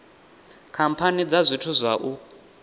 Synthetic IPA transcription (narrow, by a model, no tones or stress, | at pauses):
kʰampʰanid͡zazʷitʰuzʷaʔu